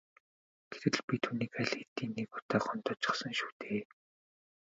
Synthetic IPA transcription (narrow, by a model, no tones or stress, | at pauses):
ɡ̥eɾɘ̆ɮpʲit̪ʰuːniːkaɮet̪iːnːikʊ̥t̪aːχʊnt̪ɔt͡ɕɪ̥̆χsə̆ŋʃu̥ːt̪ʰeː